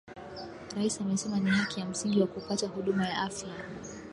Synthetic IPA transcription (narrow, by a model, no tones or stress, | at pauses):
ɾaisamɛsɛmanihakijam̩siŋɡiwakupatahuɗumajaʔafja